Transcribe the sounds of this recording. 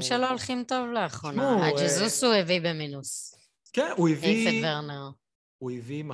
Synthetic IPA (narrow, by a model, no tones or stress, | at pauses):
mʃeloːlχimt̪o̞vleaχʁonaad͡ʒezusuevibeminus | kɛnuivifeveʁneʁ | uivim